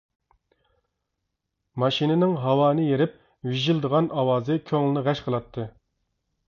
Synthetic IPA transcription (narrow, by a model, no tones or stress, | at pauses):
mɑʃinɪnɪŋɦɑwɑːnɨjeɾɪp̚ | wiʒild̪əʁɑnʔɑwɑːzɨkʲʰøŋlɪnɪʁæʃqʰəlˠɑt̪ʰːɨ